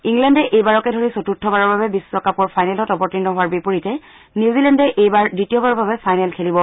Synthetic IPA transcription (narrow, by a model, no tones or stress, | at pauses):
iŋlɛndɛʔejbaɹɔkɛdʱoɹisotutʰːɔbaɹɔɹbabɛbisːɔkapɔɹpʰajnɛlɔtɔpɔɹtinɔɦʊwaɹbipuɹitɛ | niwzilɛndɛʔejbaɹdɹitiɔbaɹɔbʱabɛpʰajnɛlkʰelibɔ